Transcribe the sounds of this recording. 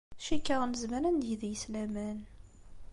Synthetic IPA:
ʃikːəʁnəzməɾænd̪jəðjəslæmæn

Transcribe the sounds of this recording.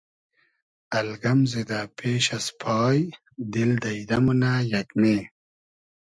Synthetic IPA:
ɐlɡɐmzed̪aːpʰeːɕɐspʰɑːj | d̪ild̪ɐid̪ɐmunaːjɐkneː

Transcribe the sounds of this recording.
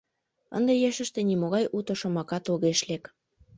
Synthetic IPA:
ə̰nd̪ejeʃə̆ʃt̪ĕnimoɣɑjʔut̪ɤ̆ʃɤ̆mɑkɑt̪oɣeʃlek

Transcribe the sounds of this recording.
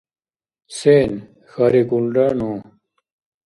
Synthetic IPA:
seːn | xɐɾikulɖanõ

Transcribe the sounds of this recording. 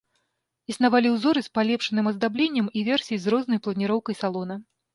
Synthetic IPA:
isnavalʲiwzɔɾɨspalʲɛpʂɨnɨmɐzd̪ablʲenʲːɐmivʲɛrsʲijijzɾɔznɐjplˠɐnʲiɾɔwkɐjsalˠɔnɐ

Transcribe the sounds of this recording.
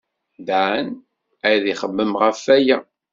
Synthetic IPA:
d̪ʕən | æjðiχəmːəmʁəfæjæ

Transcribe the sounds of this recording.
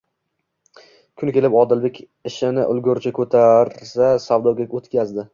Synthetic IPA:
kʲʰʊnkʲe̞lɪpɒd̪ɪlbekʲ | ɪʃɪnɪʔʊ̰lɡʲʊɾt͡ʃʰakʰɵt̪ʰaɾsasawd̪ɒɡʲaot̪kʲazd̪ɪ

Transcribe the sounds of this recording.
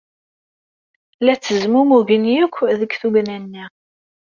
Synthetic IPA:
læt͡sːəzmumuʝənjəkʷːðəkːθuɡnænːi

